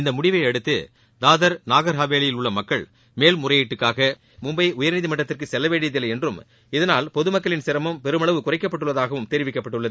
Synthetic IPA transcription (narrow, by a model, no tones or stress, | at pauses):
ɪnd̪ɐmʊɽɪʋɐɪɐɽɯt̪ːɯ̰ | d̪aːðɐɾnaːɣɐɾɦaːʋeːlɐjɪlʊɭːɐmɐkːɐɭ | meːlmʊrɐjeʈːɯkːaːɣɐ | mʊmbɐɪʔʊjɐɾnɪðimɐʈːɐt̪ːɪrkɯsɛlːɐʋeːɽɪjɐðɪlːɐɛndrɯm | ɪðɐnaːlpɔðɯmɐkːɐɭɪnsɪɾɐmɯmpɛɾɯmɐɭɐʋɯkʊrɐɪkːɐpːɐʈːɯɭːɐðaːɣɐʋɯmt̪ɛɾɪʋɪkːɐpːɐʈːɯɭːɐðɯ